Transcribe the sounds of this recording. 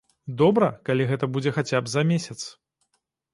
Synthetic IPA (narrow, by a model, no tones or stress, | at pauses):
d̪ɔbɾɐkalʲiɣɛt̪ɐbud͡zʲɛxat͡sʲabzɐmʲesʲɐt̪s